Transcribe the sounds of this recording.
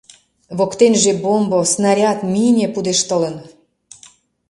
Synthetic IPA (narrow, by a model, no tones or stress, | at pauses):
βokt̪enʒebombosnɑɾʲɑt̪minʲepud̪eʃt̪ələ̆n